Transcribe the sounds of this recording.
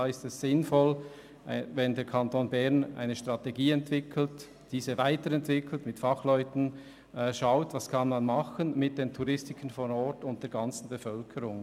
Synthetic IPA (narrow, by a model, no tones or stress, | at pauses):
aːɪstɛszɪnfɔl | vɛndeːɾkʰɑntoːnbɛʁna̰ɪnəʃtʁ̥ɑteɡiːɛntv̥ɪkʰl̩t | d̥iːzəvaɪtəɾɛntv̥ɪkʰl̩tmɪtfɑχlɔʏtn̩ | ʃaʊtvɑskʰɑnmanmɑχənmɪt̚d̥eːntʰuʁɪstɪkən̩fɔnɔɹtʊnt̚d̥eːɐɡɑnt͡sn̩befœlkʰəɾʊŋ